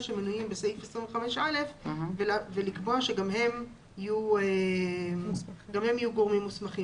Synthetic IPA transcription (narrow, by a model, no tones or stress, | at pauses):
ʃemenujimbeseifesʁiɱveχameʃale̞fvelavelikboaʃeɡamɦe̞m | ijue | ɡamhe̞mijuɡoʁmimːusmaχim